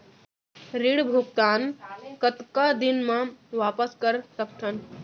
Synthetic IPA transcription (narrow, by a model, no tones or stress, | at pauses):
ɾiɽbʱuk̚t̪aːnkət̪kad̪ɪnmãʋaːpəskəɾsək̚t̪ʰən